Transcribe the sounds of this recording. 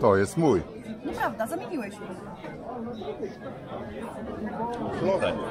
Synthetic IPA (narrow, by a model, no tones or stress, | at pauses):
t̪ɔjest̪muj | nɔpɾavd̪azamʲiɲʲiwɛɕ | flɔd̪ɐ